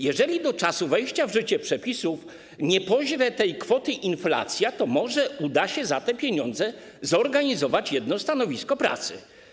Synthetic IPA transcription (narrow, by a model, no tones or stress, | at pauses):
jɛʐɛlʲid̪ɔt͡ʂasuvɛjɕt͡ɕavʐɘt͡ɕɛpʂɛpʲisuf | ɲɛpɔʑɾɛt̪ɛjkfɔt̪ɘʔinfla̰t̪sʲjat̪ɔmɔʐɛud̪aɕɛzat̪ɛpʲjeɲɔnd̪zɛ | zɔɾɡaɲizɔvat͡ɕjɛd̪nɔst̪anɔvʲiskɔpɾa̰t̪sɘ̰